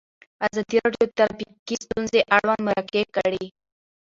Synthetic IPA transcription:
azɑd̪iɾɑɖjot̪aɾbikist̪unzeʔaɽwand̪maɾakekəɽi

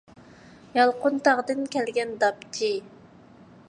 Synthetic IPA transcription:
jɑlˠqʰʊnt̪ɑʁd̪ɨnkʲʰɛlɡʲɛnd̪ɑpt̪ʰi

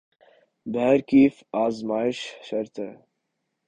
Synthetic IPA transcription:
bæɾkiːfaːzmaːɪʃʃɐɾt̪ʰe

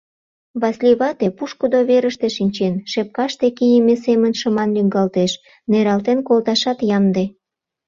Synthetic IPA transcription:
βɑsʲlʲiβɑt̪epuʃkud̪oβeɾəʃt̪eʃinʲt͡ɕenʃep̚kɑʃt̪ekijəmesemənʃə̆mɑnlyŋɡɑlt̪eʃ | neɾɑlt̪enkolt̪ɑʃɑt̪jɑmd̪e

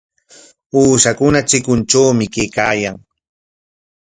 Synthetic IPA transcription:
uːʃakʊnat͡ʃɪkʊnt͡ʃawmɪkejkaːjaŋ

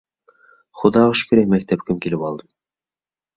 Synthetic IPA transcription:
χŏd̪ɑɤʃkɵ̆ɾæmæk̚t̪æp̚kʲʰɘmkilɘpɑlˠd̪ɤm

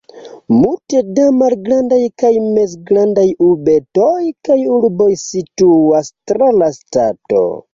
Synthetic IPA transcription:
multe̞damalɡɾandajkajme̞sɡɾandajube̞tojkajuɾbo̞jsituastɾalastato̞̰

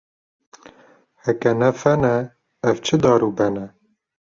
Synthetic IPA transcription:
hɛkɛnɛfɛnɛ | ɛvt͡ʃʰɨd̪ɑːɾuːbɛnɛ

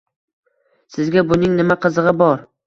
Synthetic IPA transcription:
sɪzɡʲabʊnɪŋnɪmaqʰɨzɨʁɨbɒɾ

